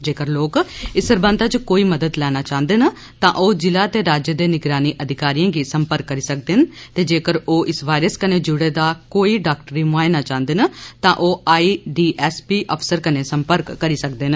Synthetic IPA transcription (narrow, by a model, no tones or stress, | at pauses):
d͡ʒeːkəɾloːkɪsəɾbə̃nt̪at͡ʃkoːiːməd̪əd̪lɛːnaːt͡ʃaːə̃nd̪eːnə | t̪ãːʔoːd͡ʒɪlaːt̪eːɾaːd͡ʒjəd̪eːnɪɡɾaːniːʔəd̪ʱɪkaːɾijãːɡiːsəmpəɾkːəɾiːsək̚d̪ent̪eːd͡ʒeːkəɾoːʔɪsʋaːiɾəskəneːd͡ʒʊɽeːd̪aːkoːiːɖaːkʈɾiːmaːenaːt͡ʃãːnd̪eːnət̪ãːʔoːaːiɖiːʔɛːspiːʔəpʰsəɾkəneːsəmpəɾkːəɾiːsəkd̪eːn